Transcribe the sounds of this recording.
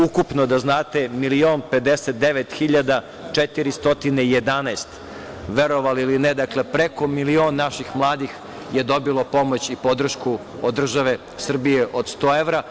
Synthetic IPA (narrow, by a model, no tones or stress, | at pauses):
ukupnod̪aznaːt̪e̞milioːnpe̞d̪eset̪̚d̪eʋet̪xiʎad̪a | t͡ʂet̪iɾist̪o̞t̪ineije̞d̪anaest̪ | ʋeɾoʋaliilined̪akle̞pɾeko̞milio̞ːnːaʃixmlˠaːd̪ix | jed̪o̞bilˠo̞po̞mot͡ɕipo̞d̪r̩ʃku | od̪d̪ːr̩ʒaʋe̞ | sr̩bijeʔod̪st̪oːeʋɾa